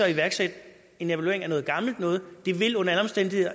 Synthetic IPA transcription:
ɒ̽iʋæɐɡ̥sed̥ | e̝neʋælue̝ɐeŋæɐnɔ̽ːð̩ˠɡ̥ɑ̈ml̩d̥nɔ̽ːð̞̩ˠd̥e̝ʋe̝lɔ̽nɐælɒ̽msd̥en̰d̥ihe̝ðˠɐ

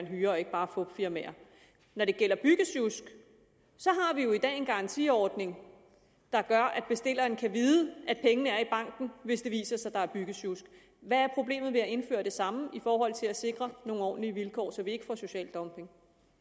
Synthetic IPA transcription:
enɦyːɐɒ̽e̝ɡ̥əb̥ɑ̈ːfɔb̥fiɐmeːɐ | nɒɾ̥e̝ɡ̥el̰ɐb̥yɡ̥əsjusɡ̥ | sɒ̽ɦɑ̈ʋijo̝id̥ɛ̰ːe̝nɡ̥ɑ̈ɑ̈nt͡sʰḭɒːd̥ne̝ŋ | d̥ɑ̈ɡ̥ɶɐʔæd̥b̥e̝sd̥e̝l̰ɐnkʰæʋiːðˠəʔæd̥̚pʰeŋənəæɐib̥ɑ̈ŋ̰ɡ̥n̩ʋe̝sd̥e̝ʋḭːsɐsɑ̈ɪd̥ɑ̈æɐb̥yɡ̥əsjusɡ̥ | ʋææɐpʰʁo̝b̥le̝̰ːmð̩ˠʋe̝æe̝nfø̰ːɐd̥e̝sɑ̈məifɒːɦɒ̽l̰t͡sʰe̝læse̝ɡ̥ʁɐno̝ːŋnɒ̰ːn̩liəʋilkʰɒ̰ːsɒ̽ʋie̝ɡ̥ə̥fɒ̰so̝ɕɛ̰ːld̥ɒ̽mpʰe̝ŋ

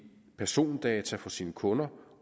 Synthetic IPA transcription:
pʰæɐso̝̰ːnd̥ɛːt͡sʰæfɒ̽siːnəkʰɔ̽nɐ

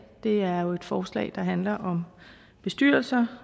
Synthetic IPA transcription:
d̥e̝æɐjo̝e̝d̥fɒːslɛ̰ːd̥ɑ̈ɦænlɐʔɒ̽m | b̥e̝sd̥y̰ɐlsɐ

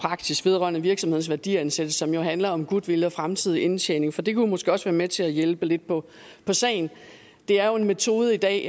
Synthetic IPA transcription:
pʰʁɑ̈ɡ̥sisʋe̝ð̞ˠʁɶ̰ɐnəʋiɐɡ̥sɒmhe̝n̩sʋæɐd̥ḭænsed̥əsɒ̽mjo̝ɦænlɐɒ̽mɡ̥ud̥ˠʋe̝ljəɒ̽fʁamt͡sʰið̞̰ˠient͡sʰḛːne̝ŋfɒ̽d̥e̝kʰumɒ̽sɡ̥e̝ɒ̽sʋæːɐmet͡sʰe̝læjelb̥əle̝d̥̚pʰɒ̽ | pʰɒ̽sɛ̰ːɪn̩ | d̥e̝æɐjo̝e̝nme̝t͡sʰo̝ːð̞ˠəid̥ɛ̰ː

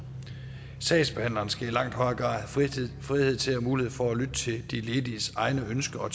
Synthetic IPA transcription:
sɛ̰ːsb̥ehæn̰lɐnsɡ̥æilɑ̈ŋ̰d̥hɒ̽ɪɐɡ̥ʁɑ̰̈ːfʁihe̝ð̰ˠt͡sʰe̝lhæmuːlihḛfɒ̽ælyd̥ət͡sʰe̝ld̥ile̝ːd̥isɑ̈ɪnəønsɡ̥əɒ̽

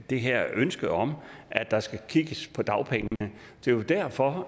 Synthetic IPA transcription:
d̥e̝ɦæɐ̰ønsɡ̥əɒ̽mʔæd̥ɑ̈sɡ̥ækʰiɡ̥əspʰɒ̽d̥ɑ̈ʊpʰeŋəənəd̥e̝jod̥æɐfɒ̽

